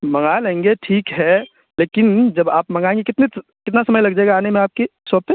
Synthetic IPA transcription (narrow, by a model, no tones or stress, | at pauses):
mɐ̃ŋɡalẽːŋɡeʈʰiːkɦɛ | leːkɪnd͡ʒɐbaːpmɐ̃ŋɡaːẽːŋɡekɪt̪ne | kɪt̪nasɐməjlɐɡd͡ʒaeːɡaːnemẽaːp̚kesɔːpe